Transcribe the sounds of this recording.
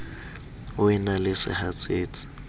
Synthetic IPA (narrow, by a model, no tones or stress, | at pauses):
ʊɛnalɪsɪ̰hat͡sʼeːt͡sʼɪ̥